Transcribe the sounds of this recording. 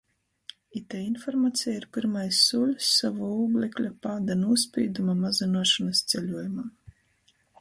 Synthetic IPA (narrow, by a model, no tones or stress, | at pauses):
it̪ɛinfɔɾmaːt̪sʲɛjaiɾpiɾmajsːuːlʲsːavɔuːblʲˠɛklʲapaːd̪anuɔspʲḭːd̪umamazinuɔʃanast̪sʲɛlʲuɔjumaː